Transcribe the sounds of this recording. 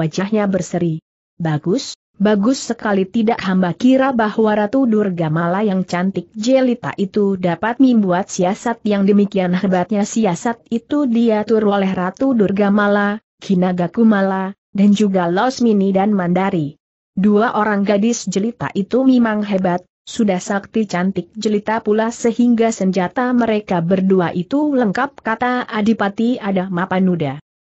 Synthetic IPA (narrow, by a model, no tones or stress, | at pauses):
ad͡ʒahɲabərsəɾi | baɡʊs | baɡʊsːəkalit̪idaʔhambakiɾabahwaɾat̪udʊrɡamalajaŋt͡ʃant̪ɪk̚d͡ʒəlit̪a̰ʔit̪udapat̪̚məmbuat̪̚siasat̪̚jaŋdəmikianɦebat̪̚ɲasiasat̪̚it̪udiat̪uɾolɛhrat̪udʊrɡamala | ɡinaɡakumala | dand͡ʒuɡalɔsminidanmandaɾi | duaʔoɾaŋɡadɪsd͡ʒəlit̪a̰ʔit̪umemaŋɦebat̪̚ | sudahsak̚t̪it͡ʃant̪ɪk̚d͡ʒəlit̪apulasəɦiŋɡasəɲd͡ʒat̪aməɾekabərduaʔit̪uləŋkap̚kat̪aadipat̪iadahmapanuda